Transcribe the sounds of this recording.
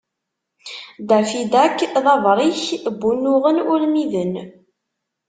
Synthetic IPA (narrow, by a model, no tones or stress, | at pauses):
d̪æfid̪ækːðɑvɾˤiçbːunːʊʁənʊlmiðən